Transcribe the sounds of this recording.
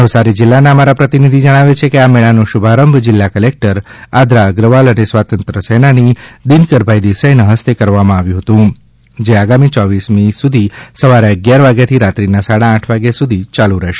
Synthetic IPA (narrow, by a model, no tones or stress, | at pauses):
nəʋsaɾid͡ʒɪlːanaəmaɾapɾət̪inid̪ʱid͡ʒəɽ̃aʋet͡ʃʰekeamɛɭanoʃubʱaɾəmbʱd͡ʒɪlːakəlek̚ʈəɾad̪ɾaɡɾəʋalənesʋat̪ənt̪ɾəsenanid̪inkəɾbʱajd̪isəjnəɦəst̪ekəɾʋamãaʋjũɦət̪ũ | d͡ʒeaɡamit͡ʃɔʋismisud̪ʱisəʋaɾeəɡjaɾʋaɡjat̪ʰiɾat̪ɾinasaɽãːʈʰʋaɡjasud̪ʱit͡ʃalũɾəɦʃe̥